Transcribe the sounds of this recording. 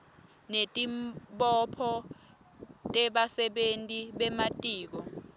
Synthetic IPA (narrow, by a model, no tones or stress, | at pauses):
netʼimɓɔpʰɔ | tʼɛɓasɛɓentʼiɓɛmatʼiːk̬ɔ